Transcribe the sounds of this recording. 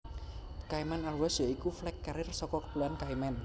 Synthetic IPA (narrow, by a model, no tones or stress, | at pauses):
kaimɛnarwasjɔikuflɛkːaɾɪrsɔkɔkə̥puluankaimɛn